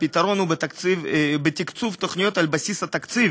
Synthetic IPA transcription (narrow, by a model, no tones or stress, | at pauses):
pʲit̪aɾonubet̪akvbet̪ʲikt̪t͡s̪uft̪oχnʲijot̪albasisɐt̪ɐkt̪t͡s̪iv